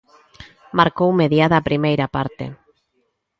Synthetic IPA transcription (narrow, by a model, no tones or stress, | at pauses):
maɾkowmeðjaðapɾimejɾapaɾt̪ḛ